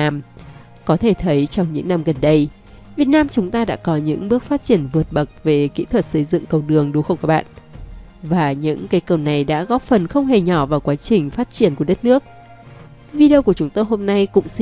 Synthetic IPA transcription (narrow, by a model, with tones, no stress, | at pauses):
aː˧m | kɔ˨˦t̪ʰe˧˩t̪ʰə˨˦jt͡ɕɔ˧wŋ͡mɲɨ̰˧˥ŋna˧mɣə˨˩nɗə˧j | vi˨˩ət̚naː˧mt͡ɕʊ˨˦ŋ͡mt̪aː˧ɗa̰ː˧˥kɔ˨˦ɲɨ̰˧˥ŋɓɨ˦˥ək̚faː˦˥t̚t͡ɕi˧˩ənvɨ˨˩ət̚ɓə˨˩k̚ve˨˩kḭ˧˥t̪ʰwə˨˩t̚sə˨˦jzɨ̰˧˨ŋkə˧˩wɗɨ˨˩əŋɗu˨˦xə˧˩ŋ͡mkːɓa̰ː˧˨n | vaː˨˩ɲɨ̰˧˥ŋka˨˦jkə˨˩wna˨˩jɗa̰ː˧˥ɣɔ˦˥p̚fə˨˩nxə˧wŋ͡mɦe˨˩ɲɔ˧˩vaː˨˩wkwaː˨˦t͡ɕï˨˩ŋ̟faː˦˥t̚t͡ɕi˧˩ənku˧˩əɗt̚nɨ˦˥ək̚ | vi˧ɗi˧wku˧˩ət͡ɕʊ˨˦ŋ͡mt̪o˧jɦo˧mna˧jkʊ̰˧˥ŋ͡ms